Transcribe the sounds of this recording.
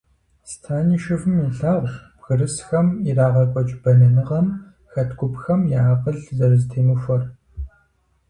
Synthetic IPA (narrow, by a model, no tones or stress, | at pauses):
stʰaːniːʃɪvɨmiɬaːʁʷb̥ɣɨrɨsxɐmiraːʁɐkʷʼɔt͡ʃʼbɐnɐnɨʁɐm | xɐtʰɡʷʊpxɐmjaːqəɮzɐrɨzɨtʰeːnuːfʷɔr